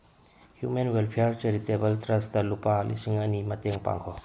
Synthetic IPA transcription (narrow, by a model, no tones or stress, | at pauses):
hjumenwelpʰijaɾt͡ʃɐɾitebɐltɾɐstalupaːlʔḭsiŋɐnimɐteŋpa̰ŋkʰɔ